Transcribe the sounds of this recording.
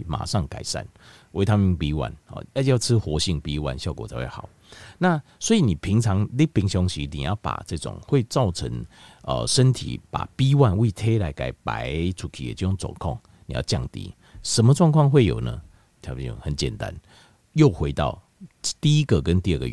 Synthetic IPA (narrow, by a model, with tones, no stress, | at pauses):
ma̰˨˩ʂɑ˥˨ŋka˨˩ɪʂa̰˥˨n | wʔe˧˥ɪt̪ʰa˥mi˧˥ŋpi˧˦wa̰˧˦nhɔ̰˨˩ja˥˧˥ja˥˧t͡sʰɨ˦xwɔ˧˦ɕi˥˩ŋpi˧˦wa˧˦nɕjɑ˥˨ʊkwɔ˨˩t͡sʰa˧˦we˥˩aɑ˨˩˦ | na˥˨swɔ˧˥i˨nĩ˨˩pʰi˧˥ŋt͡sʰɑ˨˧˦ŋli˦pi˧˥ŋɕjɔ˧˦ŋɕi˨nḭ̃˨jɑ˥˩ʊpa̰˨˩t͡sə˥˧t͡sʊ̰˨˩ŋxwe˥˧ɪt͡sɑ˥˨˩ʊt͡sʰə̰˧˦ŋə̰˨ʂə˦˥nt̪ʰḭ˨˩pa̰˨˩pi˦wa˥˧nwi˥˩t̪ʰe˦la˧˥ɪka˨˩ɪpa̰˧˦ɪt͡sʰu˨˩kʰḭ˨jɛ̰˨t͡ɕi˥˧jo˥˩ŋt͡sɔ̰˨˩ŋkʰɔ˥˨ŋ | nḭ˨ja̰˥˧ʊt͡ɕja˥˩ŋt̪ḭ˧˦ | ʂə˧˦mə˧t͡swɑ˥˧ŋkʰwɑ˥˧ŋxwe˥˩ɪjo̰˨˩ʊnə̰˦ | t̪ʰi˨˩ṵ˨˩hə˨˩˦nt͡ɕjɛ̰˨˩nt̪a̰˦n | jo˥˨˩ʊxwe˧ɪt̪ɑ̰˥˩ʊ | t̪i˥˨i˦ɡə˨kə˦nt̪i˥˧ə˥˩ɡə̰˨˦